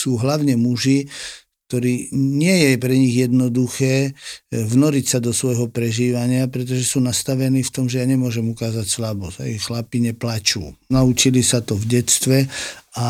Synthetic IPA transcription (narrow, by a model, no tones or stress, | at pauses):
suːɦlaʊɲɛmuʒi | k̚t̪ɔɾiːɲɪɛjɛpɾɛɲiɣjɛd̪nɔd̪uxɛːvnɔɾicsad̪ɔsʋɔjɦɔpɾɛʒiːʋaɲɪapɾɛt̪̬ɔʒɛsuːnast̪aʋɛniːft̪ɔmʒɛjaɲɛmʊɔʒɛmukaːzacslabɔz̥a̰jixxlapiɲɛplat͡ʃṵːnaut͡ʃilisat̪ɔvɟɛst̪ʋɛa